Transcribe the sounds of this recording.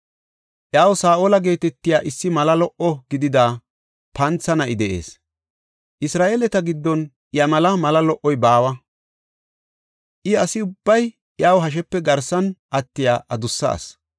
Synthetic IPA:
ʔjaːwsaːʔoːlɐɡe̞ːt̪ɛt̪ːɪjaːʔɪsːɪmɐlɐlɔʔɔɡɪd̪ɪd̪aː | pɐnt͡sːɐnɐɪd̪ɛʔe̞̰ːs | ʔɪsɾaːʔeːlɛt̪ɐɡɪd̪ːɔn | jɐmɐlɐmɐlɐlɔʔːɔjbaːwɐ | ʔɪɐsɪʊbːɐj | jaːwɦɐʃ̬ɛpːɛɡɐɾsɐnʔɐt̪ːɪjaːʔɐd̪ʊsːɐ̰ːs

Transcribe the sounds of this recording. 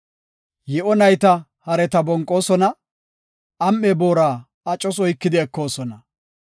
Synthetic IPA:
jɛʔɔnɐjt̪ɐ | hɐɾɛt̪ɐbɔŋkʼːo̞ːsɔnɐ | ɐmːɛbo̞ːɾaː | ɐt͡ʃʼːɔs̬ɔjkːɪd̪ɪːkːo̞ːsɔnɐ

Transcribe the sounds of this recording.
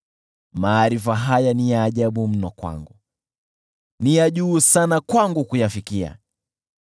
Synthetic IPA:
maːɾifaɦajanijaːʄaɓum̩nɔkwa̰ŋɡu | nijaʄuːsanakwaŋɡukujafikia̰

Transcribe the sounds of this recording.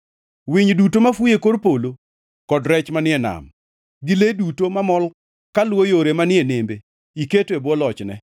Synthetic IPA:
wiɲdutomafujekoɾpolo | kɔdɾɛt͡ʃmanɪɛna̰m | ɡɪledutomamɔl | kalwojoɾemanɪɛnembe | iketebwɔlɔt͡ʃnɛ̰

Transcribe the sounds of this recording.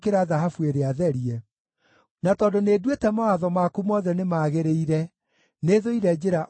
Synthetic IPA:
keɾaðaɦafueɾeaðɛɾiɛ | natɔːdonedwetɛmawaðɔmakumɔːðɛnemaːɣeɾeiɾɛ | neðoiɾɛd͡ʒeɾaʔ

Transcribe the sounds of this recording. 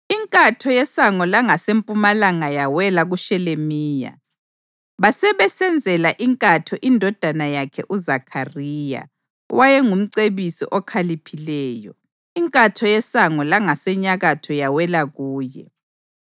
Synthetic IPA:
iŋkʼatʰɔjɛsaŋɔlaŋasempʼumalaŋajawɛlaɣuʃɛlemiːja̰ | βasɛβɛsɛnd͡zʱɛlaʔiŋkʼatʰɔʔindʱɔd̥ʱanajakʰɛ̰ʔuzakʰariːja̰ | wajɛŋum̩ǀeβisḭʔɔkʰalipʰilɛːjɔ̰ | iŋkʼatʰɔjɛsaŋɔlaŋasɛɲaɣatʰɔjawɛlaɣuːjɛ̰

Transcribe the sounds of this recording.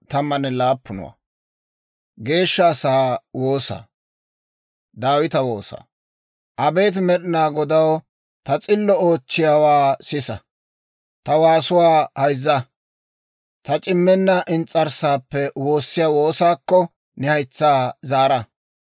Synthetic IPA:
t̪ɐmːɐnɛlaːpːʊnʊ̰wa̰ː | ɡe̞ːʃːɐːsaːwo̞ːsa̰ː | d̪aːwɪt̪ɐwo̞̰ːsa̰ː | ʔɐbe̞ːt̪̬mɛɗɪnaːɡɔd̪ɐw | t̪ɐt͡sʼɪlːɔoːt͡ʃːɪjaːwaːsɪsɐ | t̪ɐwaːsʊwaːhɐjzːɐ | t̪ɐt͡ʃʼɪmːɛnːɐʔɪnt͡sʼːɐɾsaːpːɛwo̞ːsːɪjaːwoːsaːkːɔ | nɛhɐjt͡sːaːzaːɾɐ

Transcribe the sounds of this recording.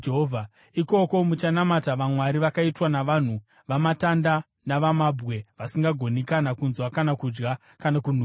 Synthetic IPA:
eɦovʱa | iko̞ko̞mut͡ʃanamataʋamwaɾiʋakaitwanaʋan̤u | ʋamatanda | naʋamabɣe̞ʋasiŋɡaɡʱo̞nekanakunzwakanakud͡ʒɡa | kanakun̤u

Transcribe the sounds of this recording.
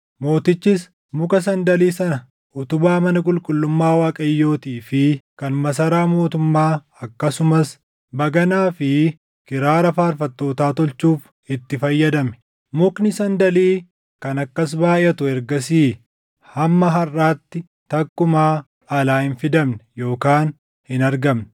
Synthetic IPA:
mo̞ːt̪ɪt͡ʃːɪs | mʊkɐs̬ɐnd̪ɐliːsɐnɐ | ʊt̪ʊbaːmɐnɐkʼʊlkʼʊlːʊmːaːwaːkʼɐjːo̞ːt̪iːfɪkɐnmɐs̬ɐɾaːmo̞ːt̪ʊmːaː | ɐkːɐsʊmɐs | bɐɡɐnaːfɪ | kɪɾaːɾɐfaːɾfɐt̪ːo̞ːt̪aːt̪ɔlt͡ʃːuːf | ɪt̪ːɪfɐjːɐd̪ɐmɛ̥ | mʊknɪsɐnd̪ɐliː | kɐnɐkːɐs̬baːʔɪʔɐt̪ʊɛɾɡɐs̬iː | hɐmːɐɦɐrːaːt̪ːɪ | t̪ɐkːʊmaː | ɐlaːhɪnfɪd̪ɐmnɛ̥jo̞ːkaːn | hɪnɐɾɡɐmnɛ̥

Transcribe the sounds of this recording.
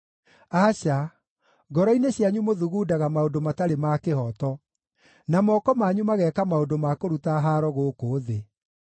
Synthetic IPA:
aɕa | ɡɔɾɔineɕjaɲumoðuɣuːdaɣamaodomataɾemakehɔtɔ | namɔkɔmaɲumaɣɛːkamaodomakoɾutaɦaɾɔɣokoːðe

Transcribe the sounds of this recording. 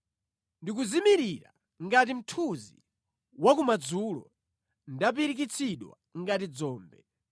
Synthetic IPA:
ndik̬uzimiɾiɾa̰ | ŋɡat̬im̩tʰuzḭ | wakumad͡zulɔ̰ | ndap̬iɾik̬it͡sʰiɗwa̰ŋɡatid͡zɔːmbɛ̰

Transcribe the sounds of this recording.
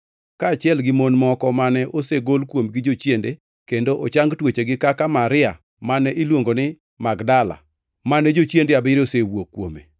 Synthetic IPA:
kaːt͡ʃjɛlɡɪmonmɔkɔmanɛʔoseɡolkwomɡɪd͡ʒot͡ʃjende | kendoʔot͡ʃaŋɡtwet͡ʃeɡɪkakamaɾɪa | manɛʔilwoŋɡonɪ | maɡdala̰ | manɛd͡ʒot͡ʃjendeabɪɾosewokːwomḛ

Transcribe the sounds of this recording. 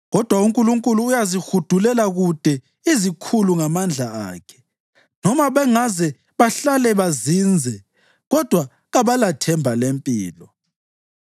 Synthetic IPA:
ɣɔd̥ʱwauŋkʼuluŋkʼuluːjazixud̥ʱulɛlaɣud̥ʱɛ | izikʰuluŋamand͡ɮʱaa̰ːkʰɛ̥ | nɔmaβɛŋazɛ | βaɬalɛβazind͡zʱɛ | ɣɔd̥ʱwa | ɣaβalatʰɛmbʱalempʼiːlɔ

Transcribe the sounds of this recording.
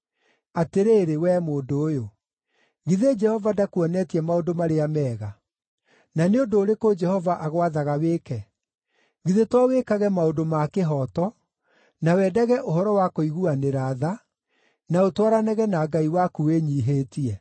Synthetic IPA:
ateɾeɾewɛmoːdoːjo | ɣiðed͡ʒɛhɔvadakuɔnɛtiɛmaodomaɾeamɛːɣa | naneondoːɾekod͡ʒɛhɔvaʔaɣwaðaɣaweːkɛ | ɣiðetwawekaɣɛmaodomakeɦɔtɔ | nawɛdɛɣɛʔoɦɔɾɔwakoiɣuaneɾaːða | naotwaɾanɛɣɛnaɡaiwakuweɲiːɦetiɛ

